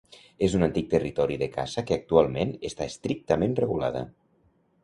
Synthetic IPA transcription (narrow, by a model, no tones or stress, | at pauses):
ezunant̪ik̚t̪ərit̪ɔɾiðəka̰zəkəak̚t̪ualˠmenəst̪aest̪ɾik̚t̪əmenreɣula̰ðə̰